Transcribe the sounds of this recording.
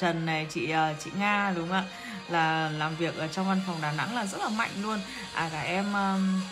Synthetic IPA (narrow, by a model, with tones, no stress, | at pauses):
t͡ɕə˨˩nːa˨˩jt͡ɕḭ˧˨ʔəː˨˧˩t͡ɕḭ˧˨ŋaː˧ɗʊ˨˦ŋ͡mʔaː˧˥ | laː˨˩laː˨˩mvi˨˩ək̚ʔəː˧˩t͡ɕɔ˧wŋ͡mva˧nfɔ˨˩wŋ͡mɗaː˨˩na̰˧˥ŋlaː˨˩zə˦˥t̚laː˨˩ma̰˧˨jŋ̟lu˧ən | ʔaː˨˩kaː˧˩k̚ʔɛ˧mʔəː˧